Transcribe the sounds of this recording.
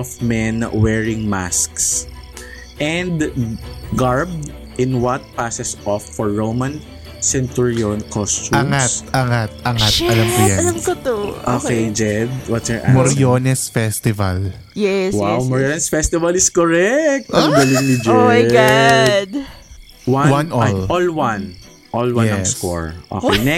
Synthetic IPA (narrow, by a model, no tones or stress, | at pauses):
ɔfmɛnwɛːɹɪ̃ŋma̰sks | ʔɛ̃nd̪ | ɡaɹb̚d̪ | ʔɪ̃nwɐt̪̚pasɛsʔɔfːɔɹːowmɐ̃n | sɛnt̪uɹionkɔst͡ʃuamŋat̪ʔɐŋat̪̚ʔɐŋat̪ɐlamkʊjɛɐlɐmkot̪oʔo̰ːkejd͡ʒɛd̪̚wɐt̪sɛɹʔa̰moɾjonɛsfɛst̪ɪva̰l | jɛwawmɔɹjonɛsfɛst̪ɪvɐlɪskɔɹɛk̚t̪ɡɐlɪŋnɪd͡ʒɛaɡd̪ | wawanɔlɔlwan | ʔɔlwãnɐskɔ̰ɹʔo̰kɛjnɛ